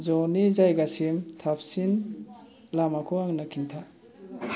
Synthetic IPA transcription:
zɔnizajɡasimtʰap̚sin | lamakʰɔaŋnakʰintʰa

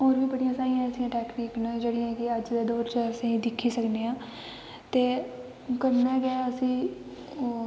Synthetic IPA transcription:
ɦoːɾʋiːbəɽɪjãːsaːɾĩjãːəsĩːãːʈɛːkniːknəd͡ʒeːɽɪjãːkɪəd͡ʒd̪eːd̪oːɾt͡ʃəəsĩːd̪ɪkʰːiːsəkneːãː | t̪eː | kəɾnɛ̃ːɡɛːəsĩː

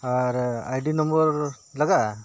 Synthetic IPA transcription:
aɾajɖinəmbəɾ | laɡa

